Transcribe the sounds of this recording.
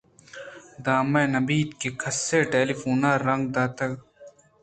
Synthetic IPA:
d̪aːmɐnɐbiːd̪̚kekʰɐsːeːʈeːlifuːnaːɾːɐ̃ŋɡ̚d̪aːt̪ɐɡ

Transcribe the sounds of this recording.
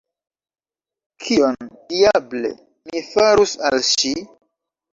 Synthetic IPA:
kʰioniable̞̰ | mifaɾusalʃi

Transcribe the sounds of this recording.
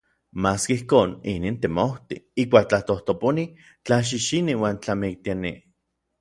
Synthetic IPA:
maːskeihkoːniniːnt̪emowt̪iihkʷaːk̚t͡ɬaht̪oht̪oponi | t͡ɬaʃ̬iʃiniwaːnt͡ɬamik̚t̪ianḭ

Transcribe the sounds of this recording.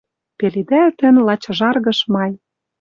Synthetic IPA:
pelid̪æt̪ɘ̆nlɑt͡ɕɤ̆ʒɑrɣɤ̆ʃmɑj

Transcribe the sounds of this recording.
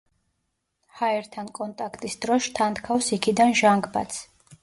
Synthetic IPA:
haɛɾt̪ʰankʼɔnt̪ʼakʰt̪ʼisd̪ɾɔʃt̪ʰant̪kʰawsikʰid̪anʒaŋɡʼba̰t̪sʰ

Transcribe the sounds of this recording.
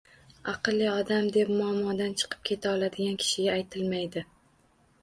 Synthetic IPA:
aqɨlːiɒd̪amd̪e̞p̚mʊamːɒd̪ant͡ʃʰɨ̥qʰɨ̥p̚kʲʰe̞t̪ʰaɒlˠad̪ɪɡʲankʲʰɪ̥ʃɪɡʲaːjt̪ʰɪlmajd̪ɪ

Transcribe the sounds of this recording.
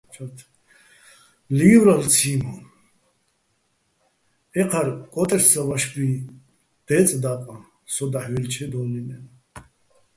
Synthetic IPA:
t͡ʃʰat̪ʰ | liɡwɾalt͡sʰiːmɔn | ɛqʰaɾkʼɔt̪ʼɛɾsavaʃbi | d̪̥ɛːt͡sʼd̪aːkʼã | sɔd̪aħvilt͡ʃʰɛd̪ɔːninɛn

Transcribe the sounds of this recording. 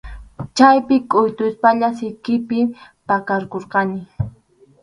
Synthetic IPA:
t͡ʃajpɪkʼʊjt̪ʊspaʎasɪkɪpɪ | pakaɾkoɾqɑnɪ

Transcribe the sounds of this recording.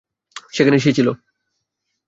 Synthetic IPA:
ʃekʰaneʃ̬iet͡ɕʰilo

